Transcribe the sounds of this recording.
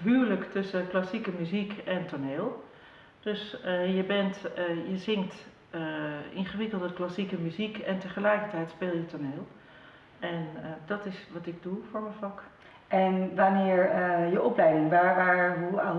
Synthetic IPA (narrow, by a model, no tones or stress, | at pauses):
ɦyːləktɵsəklasikəmyzikɛntoneːlˠ | d̥øsjəbɛntjəzɪŋkt | əɪ̰nχəʋɪkəlˠdəklasikəmyzikɛntəχəlɛjkəɹtɛjtspɪːlˠjətʰoneːlˠ | ɛndɔtɪsʋɑtɪɡ̚dufoːɹməfɑk | ɛnʋanɪːɹjəʔɔplɛjdɪŋʋaːɹʋaːɦua